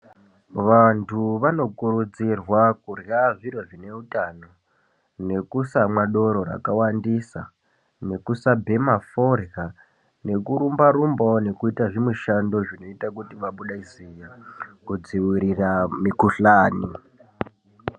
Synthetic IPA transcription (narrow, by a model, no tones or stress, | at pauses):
ʋantʰuʋano̞kuɾud͡zirwakurjaʐiɾoʐine̞utano̞ | ne̞kusamwaɗo̞ɾo̞ɾa̰kawandisa̰ | ne̞kusabʱe̞maforja | ne̞kuɾumbaɾumbone̞kuitaʐimwiʃando̞ʐino̞itakutiʋaɓuɗaizijakud͡ziwiɾiramikuɬaːni